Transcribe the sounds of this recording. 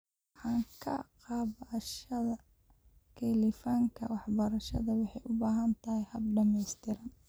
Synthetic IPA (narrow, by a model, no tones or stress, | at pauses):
ħɑːŋkʰɐ̰qɑːβʃɐðɐ | kʰɛlifaŋkʰɐwɑħbɐɾɐʃɐðɐwɑħɑjʔʊbaːɦɐnt̪ʰɐhɪjhɐb̚ɖɐmɛjst̪ʰɪɾɐn